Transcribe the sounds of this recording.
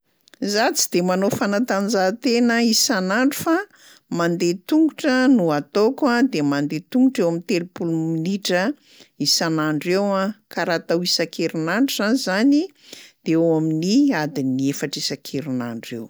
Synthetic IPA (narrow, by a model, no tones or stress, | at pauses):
zat͡sid̪emanofanat̪and͡ʒat̪enəisanaɳɖ͡ʐufa | mand̪et̪uŋɡuʈ͡ʂənuat̪okad̪emand̪et̪uŋɡuʈ͡ʂewamint̪elupuluminiʈ͡ʂə | isanaɳɖ͡ʐewakaɾat̪awisakeɾunaɳɖ͡ʐuzanizani | d̪̥eewaminiad̪iniefaʈ͡ʂisakʰeɾuna̰ɳɖ͡ʐew